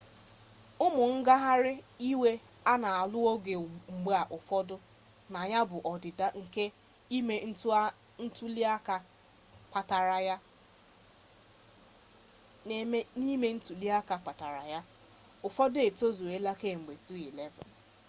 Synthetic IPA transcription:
ʊ˦mʊ˨ŋ̩˦ɡa˦ɦa˦ɾɪ˦i˦we˦ | a˦na˨a˨lʊ˦o˦ɡe˨ŋ͡m̩˨ɡ͡ba˨ʔʊ˨fɔ˦dʊ˦ | na˨ɲa˦bʊ˨ʔɔ˨dɪ˨da˦ŋ̩˨ke˦ | i˦me˦n̩˦t | n̩˦tu˦li˦a˦ka˨ | k͡pa˨ta˨ɾa˨ja˦ | ne˨me˦ni˦me˦n̩˦tu˨li˦a˦ka˨k͡pa˨ta˨ɾa̰˨ja˦ | ʊ˨fɔ˦dʊ˦e˨to˦zu˨e˦la˦ke˦˨ŋ͡m̩˨ɡ͡be˨tu˦i˨le˦vɔ̰˨n

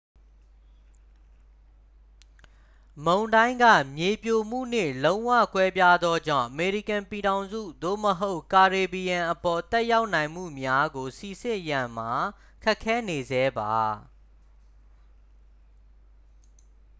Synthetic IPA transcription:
mõ˨ʊ̃ndã˦ɪ̃ŋɡä̰˦˨mje˨pjo˨m̥ṵ˦˨n̥ḛ˦˨lõ˦ʊ̃wä̰˦˨kwɛ˦pja˦d̪ðɔ˦d͡ʑã̰˦˨ʔəme˨ɹi˦˨kã˨mpi˨ɾã˨ʊ̃nzṵ˦˨d̪o̰˦˨məɦo˦ʊʔka˨ɹe˨bi˨jã˨ʔə˨pɔ˨t̪ɛ˦ʔja˦ʊʔnã˨ɪ̃m̥ṵ˦˨mja˦ɡo˨si˨sɪ̃˦ʔjã˨m̥a˨ | kʰɛ˦ʔkʰːɛ˦ne˨zɛ˦ba˨

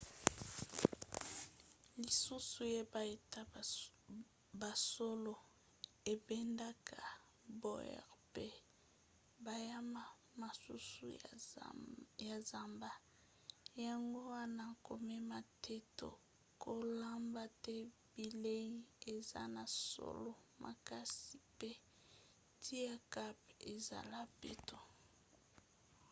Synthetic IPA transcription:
li˨su˦su˨je˦ba˨e˨ta˦ | ba˨so˦lo˨ | e˨bɛ˦nda˦kʰa˨ | bo̰˦jɛ̰˨ʁpe˦ | ba˨ja˦ma˦ | ma˨sṵ˦sṵ˦ | ja˨za˨mba˨ | ja˨ŋɡo˦wa˦na˦˨ko˨mɛ˦ma˨tʰe˦to̰˨ | ko˦la˦mba˦tɛ˦bi˨le˦ji˦e˨za̰˦na˨so̰˨lo˦mʔa̰˨ka˦si˨pe˦ | tʰi˦a˨ka˦pe˨za̰˨la˦pḛ˦to˨

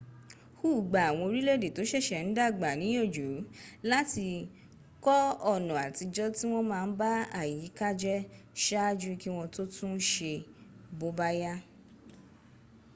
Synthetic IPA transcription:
huː˦˨ɡ͡ba˨a˨w̃ɔ̃˧o˧ɾi˦le˦˨de˨to˨˦ʃɛ˦˨ʃɛ˨n̩˨˦da˦˨ɡ͡ba˨nĩ˨˦jo˦˨d͡ʒu˨˦la˦ti˧ | kɔ˦ɔ˦˨nɔ̃˨a˨ti˧d͡ʒɔ˦ti˦w̃ɔ̃˦mãː˧n̩˦ba˦a˦˨ji˨˦ka˦d͡ʒɛ˦ | ʃa˦d͡ʒu˦ki˦w̃ɔ̃˧to˦tũ˦ʃe˧bo˧˦ba˦ja˦

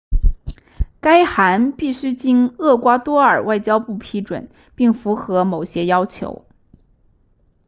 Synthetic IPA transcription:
ka˥ɪxa˧˥npi˥˩ɕy˥t͡ɕi˥nɤ˥˩kwa˥t̪wɔ˥ə˞˨˩wa˥˩ɪt͡ɕjɑ˥ʊpu˥˩pʰi˥ʈ͡ʂwə̰˨˩˦n | pi˥˩ŋfu˧˥xɤ˧˥mo˨˩ʊɕjɛ˥jɑ˥ʊt͡ɕʰjo̰˧˥ʊ

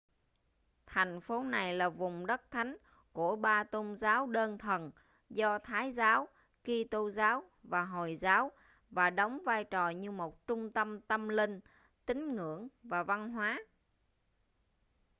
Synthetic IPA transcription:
t̪ʰɛ˨˩jŋ̟fo˨˦na˨˩jlaː˨˩vʊ˨˩ŋ͡mɗə˦˥t̚t̪ʰa˨˦jŋ̟ | ku˧˩əɓaː˧t̪o˧mzaː˨˦wɗəː˧nt̪ʰə˨˩n | zɔ˧t̪ʰaː˨˦jzaː˨˦w | ki˧t̪o˧zaː˨˦w | vaː˨˩ɦo˨˩jzaː˨˦w | vaː˨˩ɗɔ˨˦wŋ͡mvaː˧jt͡ɕɔ˨˩ɲɨ˧mo˨˩t̚t͡ɕʊ˧ŋ͡mt̪ə˧mt̪ə˧mlï˧ŋ̟ | t̪ï˨˦ŋ̟ŋɨ̰˧˩˨əŋvaː˨˩va˧nɦwaː˨˦

